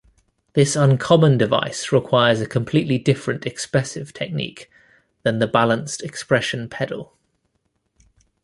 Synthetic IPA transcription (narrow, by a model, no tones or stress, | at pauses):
ðɪsə̃nkʰɒmə̃ndɪva̰ɪsɹɪkʰw̥aɪəzəkʰə̃mpʰl̥iˑʔlidɪfɹə̃ntɛkspɹɛsɪv̥tʰɛk̚nḭˑk | ðə̃nðəbalə̃nstɛkspɹɛʃə̃npʰɛdə̰lˠ